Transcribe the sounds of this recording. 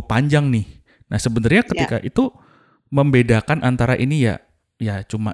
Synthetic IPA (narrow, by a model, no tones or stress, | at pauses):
paɲd͡ʒaŋnɪh | nahsəbənarɲakət̪ika̰ʔit̪u | məmbedakanʔant̪aɾaʔinija̰ | jat͡ʃuma̰